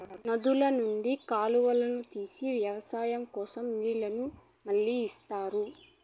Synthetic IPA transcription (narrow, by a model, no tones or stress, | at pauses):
nɐd̪ulɐnuɳɖikaːluʋɐlɐnut̪iːsiʋjɐʋɐsaːjɐmkɔːsɐmʋiːɭɐnu | mɐɭːiːst̪aːɾu